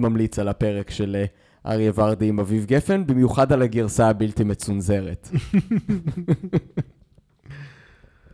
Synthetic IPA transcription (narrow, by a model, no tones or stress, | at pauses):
mamlit͡salape̞ʁekʃe̞l | ʔa̰ʁiavaʁd̪imavivɡefe̞nbimjuχadalaɡiʁsaːbiltimet͡sunze̞ʁet